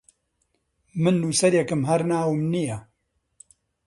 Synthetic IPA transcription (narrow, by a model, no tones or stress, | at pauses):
mɨnːuːsɐɾjɛkɨmɦɐɾnaːwɨmnijɐ